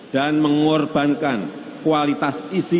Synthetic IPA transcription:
d̥anməŋɔrb̥a̤nkan | kuwalit̪asisi

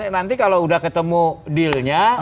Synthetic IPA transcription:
nant̪ikaloudahkət̪əmudilɲa

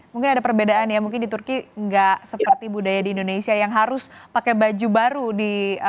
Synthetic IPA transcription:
muŋkɪnadapərbedaʔanjamuŋk̬ɪndit̪urkiŋɡaʔsəpərt̪ibudajadiːndonesiajaŋɦaɾʊspakɛbad͡ʒubaɾudi

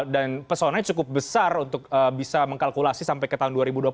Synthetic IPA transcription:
danpərsonaɲat͡ʃukʊp̚bəsarunt̪ʊk̚əːbisaməŋkalkulasisampajkət̪aɦʊnduaɾibudua

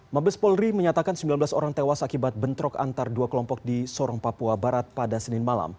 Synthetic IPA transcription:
mabəspɔlriməɲat̪akansəmbilanbəlaso̰ɾaŋt̪ewasakibat̪̚bənt̪ɾɔka̰nt̪arduakəlɔmpɔk̚disɔɾɔŋpapuabaɾat̪̚padasənɪnmala̰m

